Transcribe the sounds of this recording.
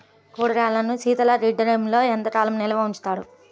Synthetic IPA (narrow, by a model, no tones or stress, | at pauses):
kuːɽɐɾaːlɐnusiːt̪ɐlɐɾiɖɐɾemlo̞ːent̪ɐʈaːlɐmnɛlɐʋɐuɲt͡ʃt̪aːɽṵ